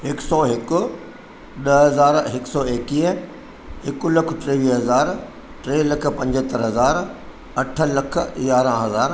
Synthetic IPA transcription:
ɦɪksɔːɦɪkʊ̆ | ɗɐɦɐzaːɾɦɪksɔːeːkiːə | ɦɪkʊlɐkʰʈɾeːʋiːɦɐzaːɾ | ʈɾeːlɐkʰpɐ̃ɲd͡ʑət̪ɐɾɦɐzaːɾ | ɐʈʰə̆lɐkʰjaːɾãɦɐzaːɾ

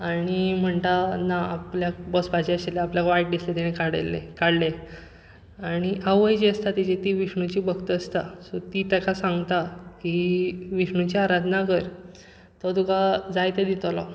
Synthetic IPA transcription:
aɽ̃im̤əɳt̪anaːpljak̚bɔsbʱad͡ʑeəɕeleapljakʋaiʈ̚d̪islet̪eɽ̃ekaɽḛlḛkaɽle | aɽ̃iʔawəjd͡ʑeəst̪at̪id͡ʑet̪iʋiʂɳut͡ɕibʱəɡt̪əəst̪asɔt̪it̪akʰasãŋɡt̪akiʋiʂɳut͡ɕiaɾad̪ʱnakəɾ | t̪ɔd̪ukad͡zajt̪ed̪it̪lɔ

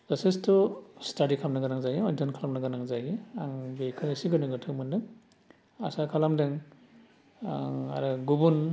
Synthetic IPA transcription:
zasestʰɔstadikʰamnaɡanaŋzajiɔdɯnkʰalamnaɡanaŋzajiaŋbekʰɯisiɡɯnɯɡɯtʰɯwmɯndɯŋ | a̰sakʰalamdɯŋ | a̰ɾɯɡubun

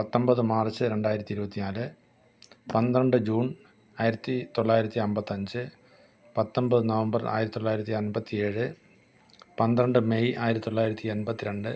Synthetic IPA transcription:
pɐt̪ːombɐðɨmaːrt͡ɕːɨɾe̞ɳɖaːjiɾɐt̪ːiɾubɐt̪ːinaːlɨ | pɐnd̪ɾɐɳɖɨd͡ʑuːn | aːjiɾɐt̪ːit̪oɭːaːjiɾɐt̪ːiɐmbɐt̪ːɐɲd͡ʑɨ | pɐt̪ːombɐðɨnɐʋɐmbɐra̰ːjɾɐt̪it̪oɭːaːjiɾɐt̪ːiɐnbɐt̪ːie̞ːɻɨ | pɐnd̪ɐɳɖɨmejaːjɾɐt̪it̪oɭːaːjiɾɐt̪ːienbɐt̪ːiɾeɳɖɨ

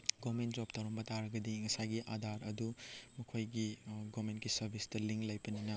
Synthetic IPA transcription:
ɡomend͡ʒop̚tɐwɾɐmbɐtaɾɐɡɐdiŋɐsajɡiʔadʱaɾɐdumɐkʰojɡiɡomentkisɐɾbʱistɐliŋklɐjpɐninɐ

